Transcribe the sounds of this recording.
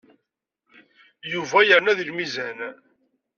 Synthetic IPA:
juvæjəɾnæðilmizæn

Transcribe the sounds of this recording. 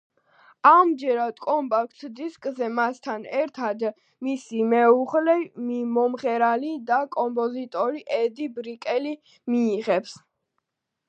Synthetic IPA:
amd͡ʒɛɾad̪̥kʼɔmpʼakʰt̪ʰd̪iskʼzɛmast̪ʰanɛɾt̪ʰad̪ | misimɛuʁlɛmimɔmʁɛɾalid̪akʼɔmpʼɔzit̪ʼɔɾiʔɛd̪ibɾikʼɛli | miːʁɛps

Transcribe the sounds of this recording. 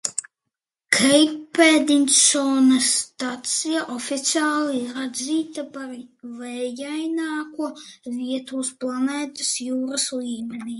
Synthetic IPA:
kʰɛjpːɛd̪insoːnɐst̪at̪sijaʔofʲit̪siaːlˠiɾad̪ziːt̪apaɾvɛjajnaːkuɔvʲiɛt̪uːsplˠanɛːt̪ɐsjuːɾɐslˠiːmɛniː

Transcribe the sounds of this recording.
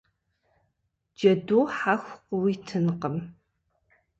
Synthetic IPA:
d͡ʒɐduːħaxʷqwitʰɨnqəm

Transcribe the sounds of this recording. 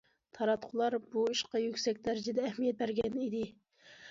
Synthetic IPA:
t̪ʰɑɾɑt̪qʰʊlˠɑɾbuiʃqɑjykʲsɛk̚ʲd̪æɾɪd͡ʒɛd̪ɛːhmijɛt̪̚bæɾɡʲɛnid̪ɪ

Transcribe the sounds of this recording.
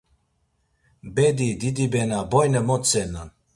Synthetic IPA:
bɛd̪id̪id̪ibɛnabɔjnəmɔt̪sɛna

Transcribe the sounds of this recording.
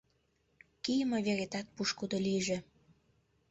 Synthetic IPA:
kijmoβeɾet̪ɑt̪̚puʃkud̪oliʒĕ

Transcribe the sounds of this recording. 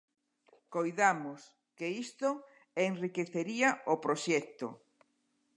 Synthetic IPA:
kojðamʊs | keist̪o | enrikeθeɾiaopɾoʃɛk̚t̪o̰

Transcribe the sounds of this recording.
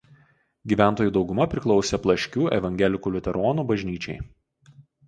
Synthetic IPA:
ɡʲiːʋʲæˑnˑt̪oːjuːd̪ɒʊɡʊmɐpʲɾʲɪklˠɒʊsʲɛplˠɐʃʲkʲuːʔɛ̰ʋɐŋʲɡʲɛlʲɪkuːlʲɪt̪ʲɛɾɔːnuːbɐʒʲnʲiːt͡ʃʲɛɪ

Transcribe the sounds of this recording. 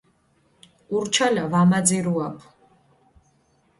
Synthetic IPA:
urt͡ʃʰalavamad͡zɛɾuapʰ

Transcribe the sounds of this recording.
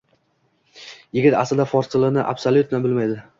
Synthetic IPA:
jɪɡʲɪt̪a̰sɪld̪afɒɾsɪlɪnɪʔa̰bsolʲjʊt̪nabɪlmajd̪ɪ

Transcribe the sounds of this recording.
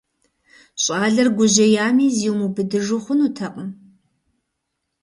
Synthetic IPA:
ɕʼaːɮɐrɡʷʊʑɐjaːmiːziwmubɨdɨʐʊχʷʊnutʰɐqʼəm

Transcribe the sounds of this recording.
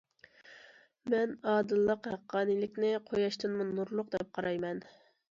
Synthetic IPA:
mɛnɑːd̪ɨlˠːəqhɛqʰːɑːnɨlɪkʲnɪqʰojɑʃt̪ɨnmunuɾlˠʊqd̪ɛp̚qʰɑɾɑjmɛn

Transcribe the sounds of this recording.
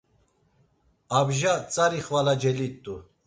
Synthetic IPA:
abʒat͡sʼaɾiχvalad͡ʒɛlit̪ʼu

